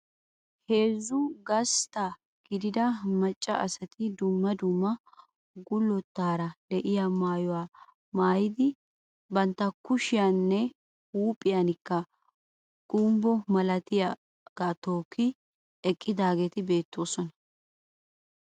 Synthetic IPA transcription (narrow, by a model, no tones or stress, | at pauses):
he̞ːzːʊɡɐst̪ɐ | ɡ̥ɪd̪ɪd̪ɐmɐt͡ʃʼːɐ̰ʔɐsɐt̪ɪd̪ʊmːɐd̪ʊmːɐ | ɡʊlːɔt̪ːaːɾɐlɛʔɪjamaːjɔwaː | maːjɪd̪ɪ | bɐnt̪ːɐkʊʃɪjanːɛ | uːpʼɪjɐnɪkːɐ | ɡ̥ʊmbɔmɐlɐt̪ɪja | ɡ̥aːt̪oːkːɪ | ɛkʼːɪd̪aːɡeːt̪ɪbe̞ːt̪ːo̞ːsɔnɐ̥